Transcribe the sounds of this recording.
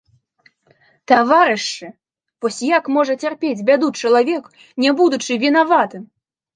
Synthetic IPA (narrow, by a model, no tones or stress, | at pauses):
t̪avaɾɨʂt͡ʂɨ | v̥ɔsʲjakmɔʐɐt͡sʲarpʲed͡zʲbʲad̪ut͡ʂɐlˠavʲɛk | nʲɛbud̪ut͡ʂɨvʲinavat̪ɨm